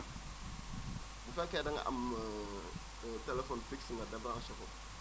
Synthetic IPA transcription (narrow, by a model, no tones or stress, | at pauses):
ɡufakedaŋa̰ʔa̰m | telefonfiksiŋɡadabɾaŋʃako